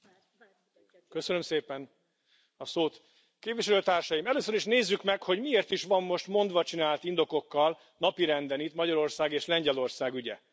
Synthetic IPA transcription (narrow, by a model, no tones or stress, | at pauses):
køsønø̞mseːpɛn | ɒsoːt̪ | keːpviʃɛløːt̪aːrʃɒjimɛløːsøɾiʃneːzːykmɛkho̞ɟmieːrt̪iʃʋɒmːo̞ʃt̪mo̞nd̪ʋɒt͡ʃinaːlt̪ind̪o̞ko̞kːɒl | nɒpiɾɛnd̪ɛnit̪mɒɟɒɾo̞rsaːɡeːʃlɛɲɟɛlo̞rsaːɡyɟɛ̰